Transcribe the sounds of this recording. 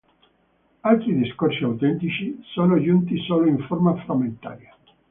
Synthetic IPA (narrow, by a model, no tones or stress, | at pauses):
alt̪ɾid̪iskorsiawt̪ɛnt̪it͡ʃisoːnod͡ʒunt̪isoːloiɱformafɾamːent̪a̰ːɾja